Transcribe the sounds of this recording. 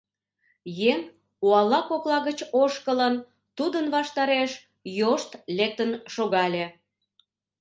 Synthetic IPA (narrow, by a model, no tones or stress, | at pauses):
jeŋ | uɑlɑkoklɑɣət͡ɕoʃkələn | t̪ud̪ənβɑʃt̪ɑɾeʃ | joʃt̪lek̚t̪ənʃoɣɑlʲe